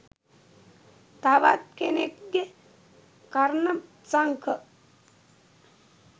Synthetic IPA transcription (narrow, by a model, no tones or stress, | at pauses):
t̪aʋa̰t̪̚kenekɡe | kaɾnə | t͡saŋkʰə